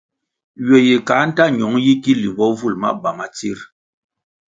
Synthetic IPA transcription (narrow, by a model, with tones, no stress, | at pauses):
ɥɛ˨je˨ka˨˦n̩˦ta˦˨ɲɔ˨˦ŋji˦ki˦li˨bɔ˦vu˦˨lma̰˦ba˨ma˨t͡si˦ɾ